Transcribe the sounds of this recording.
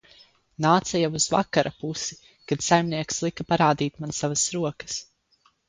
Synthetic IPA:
naːt̪sajawuz̥va̰kaɾʔapusi | kad̪̥sajmniɛkslˠikapaɾaːd̪iːt̪mansavasɾuɔkə̥s

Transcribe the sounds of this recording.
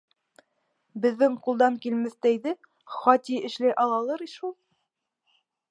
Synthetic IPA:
bɘ̆ðːɘŋqulˠd̪ɑŋkilmɘθt̪æjðɘ | χɑt̪ʲiɘ̆ʃlɘʔɑlˠɑlˠɤɾiʃulˠ

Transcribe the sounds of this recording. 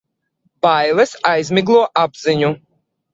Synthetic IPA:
bajlɛsajzʲmʲiɡlˠuɔʔabziɲu

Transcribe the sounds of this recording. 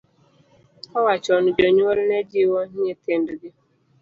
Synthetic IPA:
ɔwat͡ʃɔnʊd͡ʒoɲuoɾined͡ʒiwoɲeten̩diɡɪ

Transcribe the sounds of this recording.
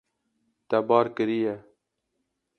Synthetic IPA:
t̪ɐbɑːɾkəɾije

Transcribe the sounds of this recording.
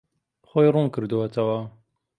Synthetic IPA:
χojrunkɨɾd̪uwɐt̪ʰɐwɐ

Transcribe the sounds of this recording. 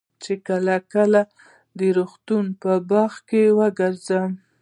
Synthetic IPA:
t͡ʃekəlakəla | d̪əɾuxt̪unpəbɑxkewəɡəɾzəm

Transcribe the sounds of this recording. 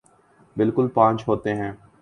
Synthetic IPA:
bɪlkʊlpãːɲt͡ʃɦoːt̪eɦɛ̃ː

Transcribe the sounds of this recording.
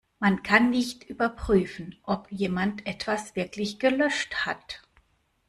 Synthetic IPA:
mankʰanːɪçtʔyːbɐpʁ̥yːfn̩ʔɔpjeːmantʔɛtv̥asv̥ɪɐklɪçɡ̥əlœʃtha̰t

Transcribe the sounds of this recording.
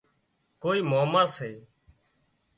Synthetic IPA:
koːiːmaːmãːseː

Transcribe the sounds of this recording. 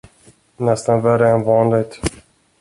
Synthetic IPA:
nɛst̪anvæɾəɛnvɑːnlɪɡ̚t̪

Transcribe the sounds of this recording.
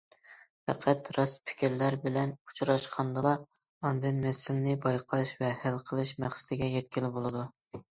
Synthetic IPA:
fɛqʰæt̪ɾɑspʰɪ̥kʲiɾlæɾbɪlɛnu̥t͡ʃʰɾɑʃqʰɑnd̪ɑlˠɑ | ɑnd̪ɨnmɛsɪlɪnɪbɑjqʰəlˠɨʃvɛhælqʰəlˠɨʃmæχsɪ̥d̪ɪɡʲɛjɛt̪̚kʲilɪbolˠɨd̪u

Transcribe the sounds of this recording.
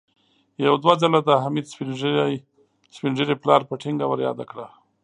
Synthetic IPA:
jawd̪wazalad̪əɦamid̪spinj | spɪnʐiɾiplɑɾpəʈʰɪŋɡawaɾjɑ̰d̪akɽa

